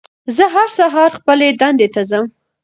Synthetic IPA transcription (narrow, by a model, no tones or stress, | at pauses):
zəɦaɾsaɦɑɾxpəled̪and̪et̪azəm